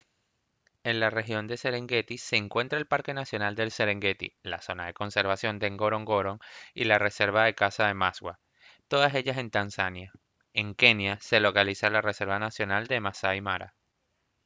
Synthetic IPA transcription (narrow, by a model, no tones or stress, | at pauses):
e̞nlare̞xjo̞nd̪e̞se̞ɾe̞ŋɡe̞t̪ise̞ːŋkwe̞nt̪ɾaelpaɾke̞nasjo̞nald̪e̞lse̞ɾe̞ŋɡe̞t̪ḭlaso̞naðe̞ko̞nse̞ɾβasjo̞nd̪eŋɡo̞ɾo̞ŋɡo̞ɾo̞ŋḭlare̞se̞ɾβaðe̞kasaðe̞masɣwa | t̪o̞ðase̞ʝase̞nt̪ansanja | e̞ŋke̞njase̞lo̞kalisalare̞se̞ɾβanasjo̞nald̪e̞masaimaɾa̰